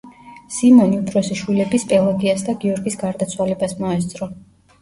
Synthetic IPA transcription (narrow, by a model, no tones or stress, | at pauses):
simɔniup̪ʼʰɾɔsiʃwilɛbispʼɛlˠaɡiasd̪aɡiɔɾɡisɡaɾd̪at̪sʰwalɛbasmɔɛst̪sʼɾɔ